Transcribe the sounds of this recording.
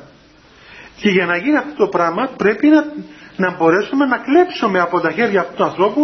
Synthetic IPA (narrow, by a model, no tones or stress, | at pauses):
ce̞ʝɐnɐʝiniɐft̪ot̪opɾɐmɐpɾe̞pinɐbo̞ɾe̞sume̞nɐklepsume̞ɐpo̞t̪ɐçe̞ɾʝɐːft̪ut̪uɐnθɾo̞pu